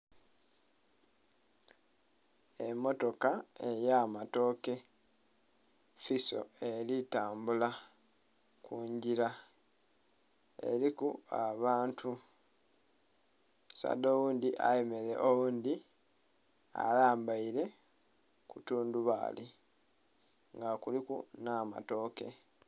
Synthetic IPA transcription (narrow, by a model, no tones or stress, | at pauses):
emːo̞to̞kaejamato̞ke̞ | fiso̞̰e̞litaːmbula | kuɲɟiɾa | e̞̰ɾikuaβaːntʰu | sa̰d̪oːwuːnd̪iʔa̰jeme̞leʔowuːnd̪i | a̰laːmbaiɾe̞ | kutuːnduβa̰li | ŋɡakulikṵnama̰to̞ːke̞̰